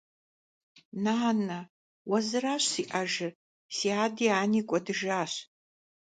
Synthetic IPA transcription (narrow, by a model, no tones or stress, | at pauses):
naːnɐ | wɐzɨraːɕsiːʔaʒɨ | siːaːdiːaːniːkʷʼɔdɨʒaːɕ